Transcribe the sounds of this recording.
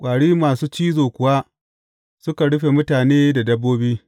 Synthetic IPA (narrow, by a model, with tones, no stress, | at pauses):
kʷʼaː˨ɽiː˦maː˨suː˦t͡ʃiː˦zoː˨kʷʊ˨waː˦ | sʊ˦ka˨ɽʊ˦ɸe˨mʊ˦taː˨neː˦da˨dɐ˦bːoː˦biː˦